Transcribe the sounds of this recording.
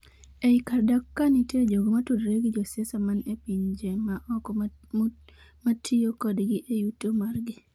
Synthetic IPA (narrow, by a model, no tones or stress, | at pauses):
eikardakːanitjed͡ʒoɡomatudɾeɡid͡ʒɔsesamanepiɲd͡ʒemaʔɔkɔ | matʰijokɔdɡɪʔejutomarɡɪ